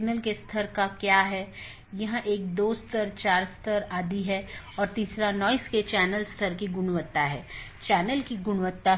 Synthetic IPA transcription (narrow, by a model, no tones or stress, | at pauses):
nəlkest̪ʰəɾkakjaːɦɛ | jɐɦãʔeːkd̪oːst̪ʰəɾt͡ʃaːɾst̪ʰəɾaːd̪iɦɛ | ɔːɾt̪iːsɾanɔːɪsket͡ʃɛːnəlst̪ʰəɾkiɡʊnʋət̪ːaɦɛː | t͡ʃɛːnəlkiɡʊnʋət̪ːa